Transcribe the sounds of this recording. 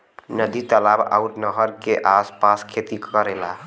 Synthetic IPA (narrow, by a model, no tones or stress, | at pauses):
nəd̪it̪əlaba̰uɾnəɦəɾkeʔaspaskʰet̪ikəɾela̰